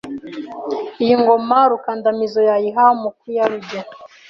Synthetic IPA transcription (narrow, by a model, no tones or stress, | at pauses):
ijiŋɡo̞maɾukandamizojajiɦamukwijaɾuɟa